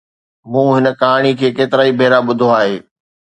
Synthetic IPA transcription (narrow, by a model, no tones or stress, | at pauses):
mũːɦɪnə̆kaːɽ̃ikʰeːkeːt̪ɪɾaːibʱeːɾaɓʊd̪ʱoaːɦeː